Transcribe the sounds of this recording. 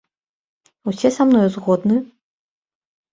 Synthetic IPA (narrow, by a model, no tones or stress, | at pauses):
wsʲɛsamnɔjzɣɔd̪nɨ